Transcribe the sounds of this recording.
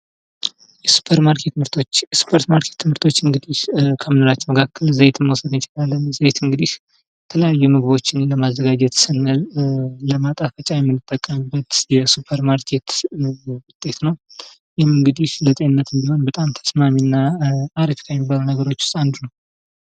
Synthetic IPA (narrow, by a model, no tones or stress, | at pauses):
jɛsu̥pʰəɾmaɾkʰe̞t̪mɨɾt̪ʰo̞t͡ʃːsu̥pʰoɾt̪maɾkʰe̞t̪ʰːɨmhɨɾt̪ʰo̞t͡ʃːɨŋɡɨd̪iʃkʰəmɨnoɾat͡ʃːməkʰakʰːəlzəjt̪ʰɨmːəwsəd̪nɪt͡ʃɪlalːənzəjt̪ɨŋɡɨd̪iʃ | ɛt̪ʰələjajːumɨɡβo̞t͡ʃːɪnləmazːəɡad͡ʒɛt̪sɨnːəlləmat̪ʼafət͡ʃʼajɛmːɨnːɨt̪ʼːəkʼːəmɨbːət̪jɛsupʰəɾmaɾkʰe̞t̪ | wʊt̪ʼːe̞t̪nəw | jɪhmɨŋɡɨd̪iʃlət̪ʼeɨnːət̪ɨnd̪iho̞nbət̪ʼamt̪ʰə̥smaminːaːɾəfi̥kʰammibːalunəɡəɾo̞t͡ʃːʊst̪ʼand̪unəw